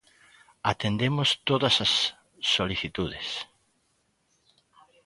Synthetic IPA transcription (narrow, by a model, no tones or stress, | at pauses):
at̪end̪emost̪oðɐsɐsː | oliθit̪uðes